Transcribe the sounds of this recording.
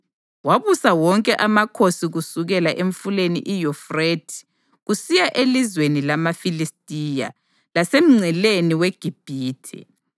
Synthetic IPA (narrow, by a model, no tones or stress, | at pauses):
waβusawɔŋkʼɛʔamakʰosiɣusuɣɛlaʔeɱfulenḭʔijɔfretʰi̥ | ɣusijaʔelizwenilamafilistʼija̰ | lasem̩ŋ͡ǀʱɛleniweɡ̥ʱib̥ʱiːtʰḭ